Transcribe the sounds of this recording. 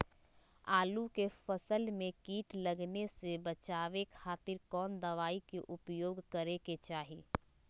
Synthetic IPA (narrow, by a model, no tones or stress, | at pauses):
aːlukefəsəlmẽkiːʈlɐɡnesebɐt͡ʃaːʋekʰaːt̪ɪɾkɔːnd̪ɐʋaːikeʔʊpjoːɡkɐɾeket͡ʃaːɦiː